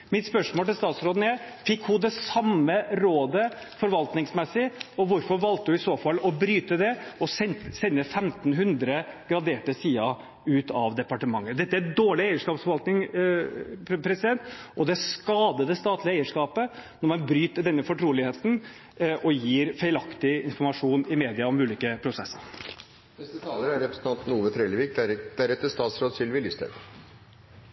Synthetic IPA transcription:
mɪt̪spœʂmoːlt̪ɪlst̪ɑːt̪sɾoːd̪ənæfɪkːhʊd̪ɛsɑmːəɾoːd̪ə | fɔɾʋɑlt̪nɪŋsmɛsɪɔʋʊɾfɔɾʋɑlt̪əd̪ʉɪsoːfɑlːɔbɾyːt̪əd̪ɛɔsɛnsɛnːəfɛmt̪nɦʉnd̪ɾəɡ̥ɾɑd̪eːʈəsiːɑ | ʉːt̪ɑ̰ʋd̪ɛpɑʈəmɑ̰ŋːəd̪ɛt̪ːəæd̪oːɭɪeɪəʂkɑːpsfɔɾʋɑlt̪nɪŋ | pʰɾɛsɪd̪ɛnt̪ʔɔd̪ɛskɑːd̪əd̪ɛst̪ɑːt̪ʰlɪəeɪəʂkɑːpənɔɾmɑnbɾyːt̪əɖ̪ɛnːəfɔʈʰɾuːlɪheːt̪n̩ | ʔɔjiːɾfeɪlɑkt̪ɪɪnfɔɾmɑʂuːnɪmeːd̪ɪɑɔmʉːliːkəpʰɾʊsɛsːə̰ɾ | nɛst̪ət̪ʰɑːləɾæɾɾɛpɾəsn̩ɑnt̪nuːʋəfɾeləʋiːk̚d̪æd̪̥æɾɛt̪ːəst̪ɑːt̪sɾoːd̪sɪlʋɪlʏst̪ə̰

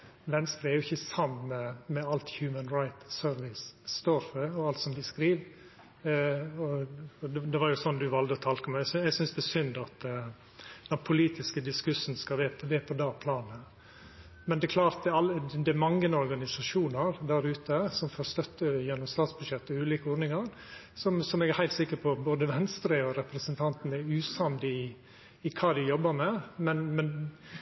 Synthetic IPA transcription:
ʋɛnst̪ɾəæɾjʊɪçːəsɑməmɛɑlt̪çjʉːmənɾaɪt̪søɾʋɪsːt̪oːɾfœɔɑlt̪sɔmd̪ɪskɾiːʋ | ɔɔdd̪ɛʋɑɾjʊsɔnːd̪ʉʋɑld̪əɔt̪ʰɑlkəmɛɛsɛɡsʏnsd̪ɛɛsʏnd̪ɑt̪ | d̪̥ɛnpʰʊliːt̪ɪskəd̪ɪskʉsənskɑʋeːpʰʋeːpʰɔd̪ɑːpʰlɑːnə | mɛnd̪ɛkʰlɑːɾt̪̚d̪ɛɑləd̪ɛmɑŋːənɔɾɡɑnɪsɑʂuːnɑɾd̪æɾʉːt̪əsɔmfoːɾst̪œt̪ːəjɛnːɔmst̪ɑːt̪sbʉd̪ʃjɛt̪ːɔʉːliːkəɔːɾnɪŋɑɾ | sɔmsɔmɛɡæɾhæɪlt̪sɪkːəɾpʰɔboːd̪əʋɛnst̪ɾəɔɾɛpɾəsənt̪ʰɑnt̪n̩ɛɾʉːsɑnd̪ɪː | kʰɑːd̪ɪjɔbːəɾmɛmɛnmɛn

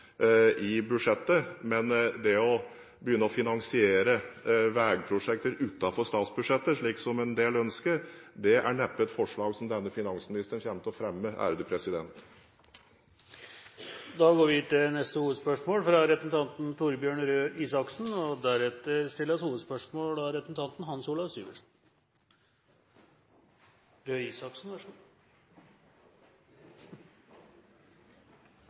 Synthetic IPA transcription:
ʔɪbʉʂɛt̪ːəmɛnd̪ɛɔ | bəjʏnːəɔfɪnɑŋsɪeːɾəʋæːɡpʰɾʊʂɛk̚t̪əɾʉːt̪ɑfɔɾʂt̪ɑːt̪sbʉd̪ʂɛt̪ːəʂɭiːksɔmɛnd̪eːlœnskəd̪ɛʔæ̰ɳɛpːɛt̪fɔʂɭɑːɡsɔmd̪ɛnːəfɪnɑŋsmɪnɪst̪əɳçɛmt̪əɔfɾɛmːəʔæ̰ɾd̪ʉːpʰɾɛsɪd̪ɛnt̪ | d̪ɑɡoːɾʋɪt̪ɪnɛst̪əhuːʋəd̪spœʂmoːlfɾɑɾɛpɾəsn̩t̪ʰɑnt̪n̩t̪ʰuɾbjøːɳɾøːʔiːsɑksn̩ɔd̪æɾɛt̪əɾst̪ɪlːəɾɔshuːʋəd̪spœʂmoːlɑɾɛpɾəsn̩t̪ɑnt̪n̩ɦɑnsuːlɑʋsy̰ːɡə̰ʂn̩ | ɾøːiːsɑksn̩æ

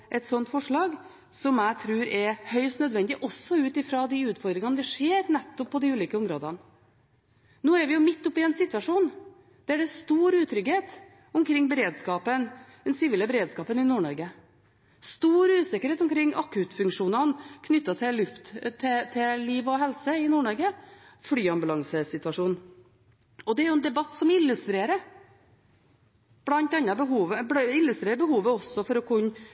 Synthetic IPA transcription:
ʔɛt̪sɔnt̪fɔʂɭɑːɡ | sɔmæɪt̪ʰɾʉːɾɛɾhœʏst̪nœd̪ʋɛnd̪ɪʔɔsːɔʉːt̪ɪfɾɑd̪ɪʉːt̪fɔɾd̪ɾɪŋɑnəd̪ɛʂeːɾnɛt̪ːɔpʰːɔd̪ɪʉːliːkəʊmɾo̰ːd̪ɑn | noːæɾʋɪjʊmɪt̪ːɔpːɪɛnsɪt̪ːʋɑʂuːn | d̪̥ɛæɖɛst̪uːɾʉːt̪ʰɾʏɡheːt̪ | ʊmkʰɾɪŋːbəɾeːd̪skɑːpənd̪̥ɛnsɪʋiːləbəɾeːd̪skɑːpənɪnuːɳɔ̰ɾɡə | st̪uːɾʉːsɪkːəɾheːt̪ɔmkʰɾɪŋːʔɑkʰʉt̪fʉŋkʂuːnɑnkʰnʏt̪ːɑt̪ʰɪllːʉft̪t̪ʰːɛt̪ʰɪliːʋɔɦɛlsəɪnuːɳɔɾɡəfɽyːɑmbʉlɑŋsəsɪt̪ʉɑʂuːn | ɔd̪ɛæɾjʊɛnd̪ɛbɑt̪ːsɔmɪlːʉst̪ɾeːɾə | b̥lɑnt̪ɑnːɑbəɦuːʋəbɪlːʉst̪ɾeːɾəbəhuːʋəɔsːɔfɔɾɔkʰʉnː

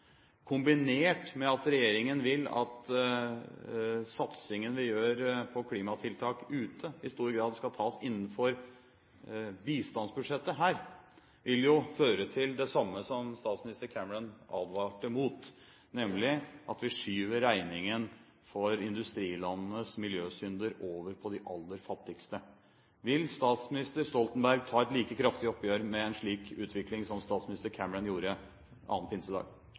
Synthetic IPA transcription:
kʰʊmbɪneːʈmɛɑt̪ɾɛjeːɾɪŋənʋɪlɑ̰t̪ | sɑt̪sɪŋənʋɪjøːɾpʰɔkʰliːmɑt̪ʰɪlt̪ʰɑːkʉːt̪ʰəɪst̪uːɾɡɾɑːd̪skɑlt̪ʰɑːsɪnːn̩fɔɾ | biːst̪ɑnsbʉʂɛt̪ːəɦæːɾ | ʋɪljʊføːɾət̪ʰɪld̪ɛsɑmːəsɔmst̪ɑːt̪smɪnɪst̪əɾkʰæməɭənɑ̰ːd̪ʋɑːʈəmuːt̪ | nɛmlɪʔɑt̪ʋɪʂyːʋəɾæɪnɪŋən | fɔɾɪnd̪ʉst̪ɾiːlɑnnəsmɪljøːsʏnd̪əɾoːʋəɾpʰɔd̪ɪʔɑlːəɾfɑt̪ːɪkst̪ə | ʋɪlst̪ɑːt̪smɪnɪst̪əɾst̪ɔlt̪ənbæɾɡ̚t̪ʰɑːɛt̪liːkəkʰɾɑft̪ɪɔpːjøːɾmɛɛnʂɭiːkʰʉːt̪ʰʋɪklɪŋsɔmst̪ɑːt̪smɪnɪst̪əɾkʰæməɾənjuːɾə | ɑ̰ːnpʰɪnsəd̪ɑ̰ːɡ

